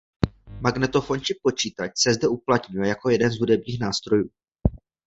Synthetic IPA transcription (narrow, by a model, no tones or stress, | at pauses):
maɡnɛt̪o̞fo̞nt͡ʃɪpo̞t͡ʃiːt̪at͡ʃsɛzdɛuplat̪ɲʊjɛjako̞jɛdɛnzɦudɛbɲiːxnaːst̪ɾo̞juː